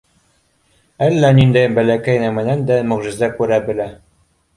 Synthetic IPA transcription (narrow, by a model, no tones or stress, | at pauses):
ælːænind̪æjbælækæjnæmæ̆nænd̪æmɵ̆ʁʒɘ̆zd̪ækʉɾæbɘ̆læ